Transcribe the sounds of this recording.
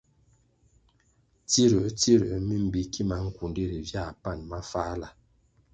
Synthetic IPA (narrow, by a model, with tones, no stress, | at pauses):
ti˦ɾə˨ʔti˦ɾə̰˨˦mi˦m̩˨bi˨˦ki˦ma˨ŋ̩˦ku˨ndi˦ɾi˨vja˦˨pa˦˨nma˦faː˦la˨